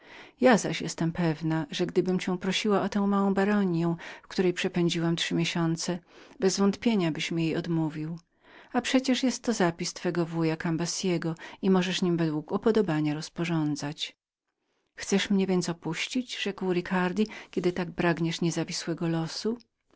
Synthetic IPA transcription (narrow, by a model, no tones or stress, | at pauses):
jazaɕjɛst̪ɛmpɛvnaʐɛɡd̪ɘbɘmt͡ɕɛ̃w̃pɾɔɕiwaʔɔt̪ɛ̃w̃mawɔ̃w̃baɾɔɲjɛ̃w̃fkt̪uɾɛjpʂɛpɛɲd͡ʑiwamtʂɘmʲeɕɔnt̪sɛbɛzvɔnt̪pʲjeɲabɘɕmɘjejɔd̪muvʲiw | apʂɛt͡ɕɛʂjɛst̪ːɔzapʲist̪fɛɡɔvujakambasʲjɛɡɔimɔʐɛʂɲimvɛd̪wukupɔd̪ɔbaɲaɾɔspɔʐɔnd̪zat͡ɕ | xt̪sɛʂmɲɛvʲjɛnt̪sɔpuɕt͡ɕid͡ʑʐɛkwɾikʰaɾd̪ʲikʲɛd̪ɘt̪aɡ̚bɾaɡɲɛʂɲɛzavʲiswɛɡɔlɔsu